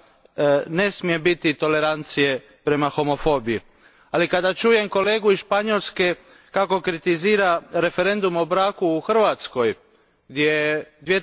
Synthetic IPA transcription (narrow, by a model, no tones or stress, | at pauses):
ne̞smije̞bit̪it̪o̞le̞ɾant̪sije̞ | pɾe̞maxo̞mo̞fo̞ːbiji | alikad̪at͡ʃuːje̞mko̞le̞ːɡuisʃpaɲolske̞ | kako̞kɾit̪iziːɾaɾe̞fe̞ɾe̞nd̪umobɾaːkuːxr̩ʋat̪sko̞j | ɡd̪jed̪ʋie